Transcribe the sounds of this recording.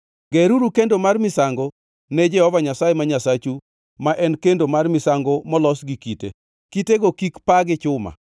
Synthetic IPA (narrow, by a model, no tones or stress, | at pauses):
ɡeɾuɾukendomarmɪsaŋɡɔ | nɛd͡ʒɛhɔvaɲasajemaɲasat͡ʃu | maʔɛnkendomarmɪsaŋɡɔmɔlɔsɡikitḛ | kiteɡokikpaɡɪt͡ʃʊma̰